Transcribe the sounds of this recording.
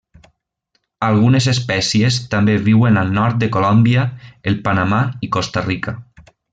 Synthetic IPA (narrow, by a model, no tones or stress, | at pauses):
alˠɣunezespɛsiest̪ambeβiwenalˠnɔɾt̪̚d̪əkolɔmbiaelˠpanamaikost̪arika